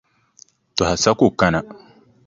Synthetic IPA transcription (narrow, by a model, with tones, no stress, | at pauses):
tɔ˨ha˨sa˦ku˦˨ka˦na˨